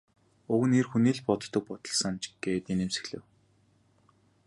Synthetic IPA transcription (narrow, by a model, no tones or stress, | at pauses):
ʊɣɘ̆niːrxuniːɮpɔt̪t̪ːə̆k̚pɔt̪ɞ̆ɮsănt͡ɕɡ̥eːt̪enĕmsĕ̥xɮɘ̰̆w